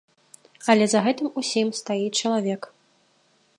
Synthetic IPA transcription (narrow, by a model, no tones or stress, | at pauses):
ɐlʲɛzɐɣɛt̪ɨmusʲimst̪ajit͡ʂɐlˠavʲɛk